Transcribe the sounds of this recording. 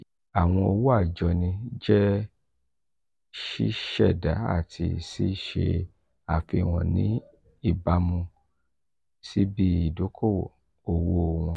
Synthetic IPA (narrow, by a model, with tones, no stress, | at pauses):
a˨w̃ɔ̃˧o˧wo˦a˦˨d͡ʒɔ˧nĩ˧d͡ʒɛ˦ | ʃi˦ʃɛ˦˨da˨˦a̰˦˨tʰḭ˧si˦ʃe˧ | a˨fi˧w̃ɔ̃˨nḭ̃˨˦ | i˦˨ba˧mũ˧ | si˦bi˦i˦˨do˨˦kʰo˦˨wo̰˨ | o˧wo˦˨w̃ɔ̃˧